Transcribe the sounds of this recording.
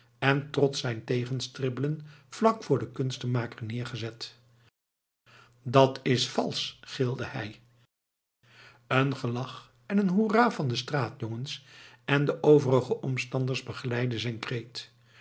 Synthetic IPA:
ɛntrɔt̪sɛjntejχənstrɪbələnv̥lɑkfʊːɹdəkɵnstəmaːkəɹnɪːɹχəzɛt | dɑtʰɪsfɑ̰lˠsχɪlˠdəhɛj | ənχəlɑχ | ɛnənɦuraːvɑndəstraːtjɔŋənsʔɛndəʔowvərəχəʔɔmstɑndəɹzbəχəlɛjdəzɛjnkrejt

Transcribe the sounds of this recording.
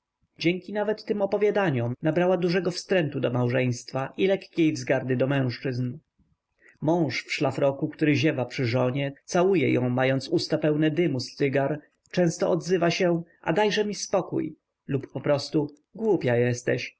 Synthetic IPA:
d͡ʑɛŋkʲinavɛt̪ːɘmɔpɔvʲjad̪aɲɔmnabɾawad̪uʐɛɡɔfst̪ɾɛnt̪ud̪ɔmawʐɛj̃st̪faʔilɛkːʲejvzɡaɾd̪ɘd̪ɔmɛ̃w̃ʂt͡ʂɘzn | mɔ̃w̃ʂfʂlafɾɔkukt̪uɾɘʑɛvapʂɘʐɔɲɛt̪sawujɛ̰jɔ̃w̃majɔnt̪sust̪apɛwnɛd̪ɘmust̪sɘɡaɾ | t͡ʂɛ̃w̃st̪ɔʔɔd̪zɘvaɕɛʔa̰d̪ajʐɛmʲispɔkṵj | lupːɔpɾɔst̪u | ɡwupʲjajɛst̪ɛɕ

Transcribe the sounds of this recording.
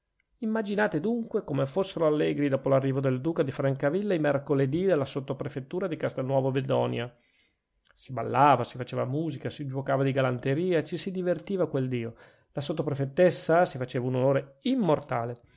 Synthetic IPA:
imːad͡ʒinaːt̪ed̪uŋkwekomefosːeɾoalːɛːɡɾid̪ɔːpolarːiːvod̪eld̪uːkad̪ifɾaŋkavilːaimerkoled̪id̪elːasot̪ːopɾefet̪ːuːɾad̪ikast̪elnːwɔːvoved̪ɔːnja | siba̰lːaːvasifat͡ʃeːvamuːzikasid͡ʒwokaːvad̪iɡalant̪eɾiːaet͡ʃisid̪ivert̪iːvakweld̪iːo | lasot̪ːopɾefet̪ːesːasifat͡ʃeːvaunonoːɾeimːort̪aːle

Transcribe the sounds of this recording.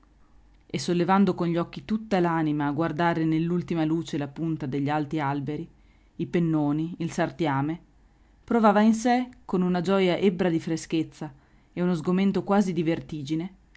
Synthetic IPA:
esːolːevand̪okonʎiɔkːit̪ut̪ːalanimaːɡward̪aːɾenelːult̪imaluːt͡ʃelapunt̪ad̪eʎːialt̪ialbeɾi | ipenːoːniilsart̪jaːme | pɾovaːvains̬ekonunad͡ʒɔjaʔebɾad̪ifɾesk̟et̪sːa | eunozɡoment̪okwaːzid̪ivert̪iːd͡ʒine

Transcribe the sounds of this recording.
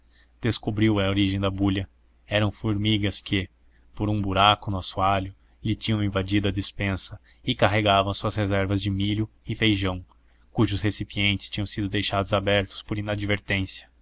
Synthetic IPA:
d̪̥eskobɾiwɐoɾiʒẽj̃d̪ɐbuʎɐ | ɛɾɐ̃w̃fuɾmiɡɐskʰɪ | poɾũbuɾakʊnʊasuaʎʊ | lɪt͡ʃĩɲɐ̃w̃ĩvad͡ʒid̪ʊɐd͡ʒispẽsɐ | ɪkaɦeɡavɐ̃w̃suɐshezɛɾvɐzd͡ʒɪmiʎʊ | ɪfejʒɐ̃w̃ | kuʒʊshesipiẽnt͡ʃɪst͡ʃĩɲɐ̃w̃sid̪ʊd̪ejʃad̪ʊzabɛɾt̪ʊ̥spoɾĩnad͡ʒiveɾt̪ẽsjɐ̥

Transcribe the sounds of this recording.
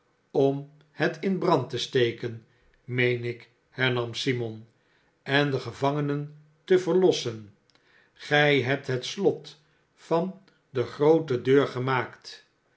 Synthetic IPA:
ɔm | hɛtɪnbrɑntəstejkən | mejnɪk | hɛɹnɑmsimɔn | ɛndəχəvɑŋənən | təvəɹlɔsən | χɛjɦɛp̚tɦət̪slɔt | fɑn | d̪əχrowtədøːɹχəmaːkt

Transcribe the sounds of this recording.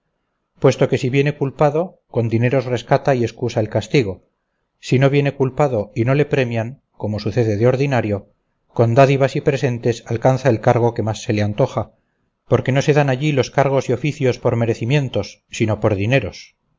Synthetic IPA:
pwe̞st̪o̞ke̞siβje̞ne̞kulpaðo̞ | ko̞nd̪ine̞ɾo̞sre̞skat̪aie̞skusaelkast̪iɣ̞o̞ | sino̞βje̞ne̞kulpaðo̞ino̞le̞pɾe̞mjaŋ | ko̞mo̞suθe̞ðe̞ðeo̞ɾðinaɾjo̞ | ko̞nd̪aðiβasipɾe̞se̞nt̪e̞salkanθae̞lkaɾɣ̞o̞ke̞masːe̞leant̪o̞χa | po̞ɾke̞no̞se̞ðanaʎilo̞skaɾɣ̞o̞sio̞fiθjo̞spo̞ɾme̞ɾe̞θimje̞nt̪o̞sːino̞po̞ɾðine̞ɾo̞s

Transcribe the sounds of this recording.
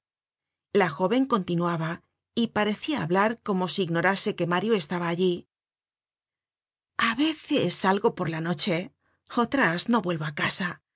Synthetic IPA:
laxo̞βe̞ŋko̞nt̪inuaβa | ipaɾe̞θia̰ːβlaɾko̞mo̞siːɣno̞ɾase̞ke̞maɾjoe̞st̪aβaːʎi | aβe̞θesalɣo̞po̞ɾlano̞t͡ʃe̞ | ot̪ɾasno̞βwe̞lβo̞akasa

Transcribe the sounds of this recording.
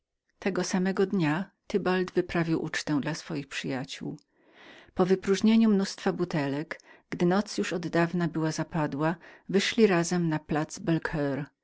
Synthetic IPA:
t̪ʰɛɡɔsamɛɡɔd̪ɲat̪ɘbald̪vɘpɾavʲiwʔut͡ʂt̪ɛ̃nd̪lasfɔjixpʂɘjat͡ɕṵw | pɔvɘpɾuʐɲeɲumnust̪fabut̪ɛlɛɡɡd̪ɘnɔt̪sjuʂɔd̪ːavnabɘwazapad̪wavɘʂlʲiɾazɛmnaplat̪zbɛlkʰɛɾ

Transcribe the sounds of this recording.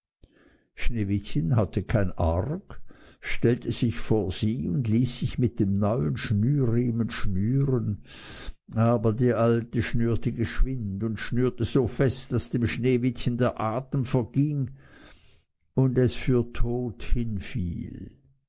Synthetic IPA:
ʃneːvɪtçənɦatəkʰaɪnʔaʁkʃtɛltʰəzɪçfoːɐz̥iːʊndliːsːɪçmɪt̚d̥eːmnɔʏənʃnyːʁiːmənʃnyːʁən | ʔaːbɐdeːɐʔaltəʃnyːɐtəɡəʃv̥ɪntʊntʃnyːɐtəzoːfɛstd̥asd̥eːmʃneːvɪtçəndeːɐʔaːtəmfɛɐɡ̥ɪŋ | ʊndɛsfyːɐtʰoːthɪnfḭːl

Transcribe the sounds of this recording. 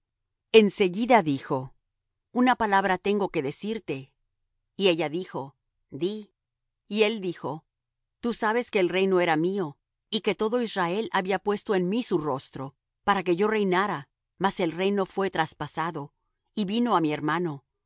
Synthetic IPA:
e̞nse̞ɣiðaðixo̞ | unapalaβɾat̪e̞ŋɡo̞ke̞ðe̞siɾt̪e̞ | ie̞ʝaðixo̞ | d̪i | ie̞ld̪ixo̞ | t̪usaβe̞ske̞ːlre̞jno̞e̞ɾamio̞ | ike̞t̪o̞ðo̞izrae̞laβiapwe̞st̪o̞e̞nmisuro̞st̪ɾo̞ | paɾake̞ʝo̞re̞jnaɾa | mase̞lre̞jno̞fwe̞t̪ɾaspasaðo̞ | iβino̞amie̞ɾmano̞

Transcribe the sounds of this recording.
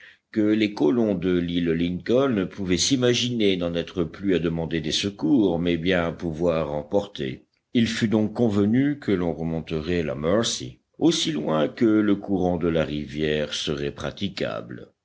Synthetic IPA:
kəlekɔlɔ̃d̪əlilliŋkɔnəpuvɛsimaʒinenɑ̃nɛt̪χəplyad̪əmɑ̃d̪ed̪esəkuːʁmɛbjɛ̃apuvwaʁɑ̃pɔʁt̪ḛ | ilfyd̪ɔ̃kːɔ̃vənykʰəlɔ̃ʁəmɔ̃t̪əʁɛla̰mœʁsḭ | osilwɛ̃kələkuʁɑ̃d̪əlaʁivjɛːʁsəʁɛpχa̰t̪ika̰bl

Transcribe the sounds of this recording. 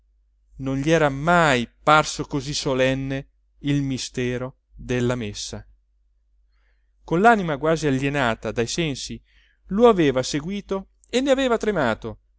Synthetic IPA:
nonʎiɛːɾamajparsokozisolɛnːe | ilmist̪ɛːɾo | d̪elːamesːa | konlaːnimaɡwaːziaʎːenaːt̪ad̪ajsɛnsi | loaveːvaseɡwiːt̪o | enːeaveːvat̪ɾemaːt̪o

